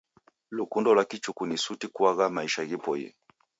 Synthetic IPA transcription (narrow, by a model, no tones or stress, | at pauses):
lukundɔlwakit͡ʃukunisutikuaɣamaiʃaɣipɔḭ